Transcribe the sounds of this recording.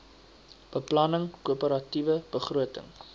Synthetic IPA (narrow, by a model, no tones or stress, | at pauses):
b̥əplɐnəŋkuəpəɾɐtivəb̥əχruətə̰ŋ